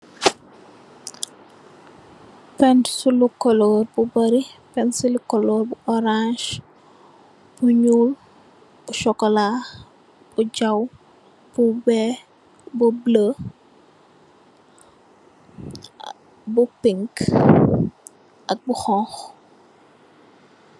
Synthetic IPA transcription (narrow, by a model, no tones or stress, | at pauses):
pɛnsulukɔlɔːrbubɐɾipɛnsulukɔlɔːɾbuʔɔɾãʃ | b̥uɲuːl | buʃɔkːɔla | b̥uɟaw | b̥ubɛ | bublə | bupiŋk | ʔɐk̚buxɔ̃x